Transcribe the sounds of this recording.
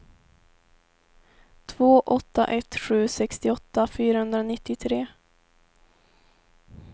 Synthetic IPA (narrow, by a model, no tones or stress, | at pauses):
t̪ʰvoːʔɔt̪ːa̰ʔɛt̪ɧʉ̟ːsɛkst̪ɪɔt̪ːafyːɾahɵnd̪ɾaonɪt̪ːɪt̪ʰɾeː